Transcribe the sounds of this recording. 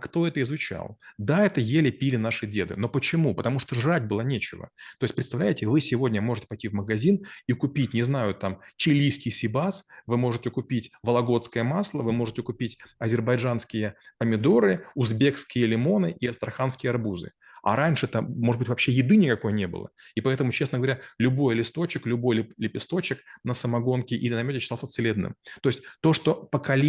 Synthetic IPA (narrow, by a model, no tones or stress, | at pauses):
kt̪o̞ɛt̪əɪzʊt͡ɕa̰lˠd̪aɛt̪əjelʲɪpʲilʲɪnaʂɨdʲe̞d̪ɨ̰no̞pət͡ɕɪmupət̪ɐmuʂt̪oʐatʲbɨlˠanʲet͡ɕɪ̰və̰t̪o̞jɪsʲpɾʲɪt̪st̪ɐvlʲæjɪtʲɪvɨsʲɪvo̞dʲnʲəmo̞ʐɨtʲɪ̥pɐjtʲivməɡɐzʲinikʊpʲitʲnʲɪznajʊt̪amt͡ɕɪlʲːijskʲɪjsʲɪbasvɨmo̞ʐɨtʲɪkʊpʲitʲvəlˠɐɡo̞t̪skəjəmaslˠəvɨmo̞ʐɨtʲɪkʊpʲitʲɐzʲɪrbɐjʐanskʲɪjəkəmʲɪd̪o̞ɾɨʊzbʲe̞kskʲɪjəlʲɪmo̞nɨʔiɐst̪ɾɐxanskʲɪjəɐrbuzɨ̰ | ɐ̰ɾanʲʂɨt̪əmoʐɨd̪bɨtʲvɐpɕːe̞jɪd̪ɨnʲɪkɐko̞jnʲe̞bɨ̰lˠə̰ipɐɛt̪əmʊt͡ɕesnəɡəvɐɾʲalʲʊbo̞jlʲɪst̪o̞t͡ɕɪklʲʊbo̞jlʲɪlʲɪpʲɪst̪o̞t͡ɕɪknəsəmɐɡo̞nkʲɪʔilʲɪnɐmʲotʲɪɕɪ̥alˠsət̪sɨlʲed̪nɨ̰mt̪o̞jɪsʲtʲt̪o̞ʂt̪o̞pəkɐlʲ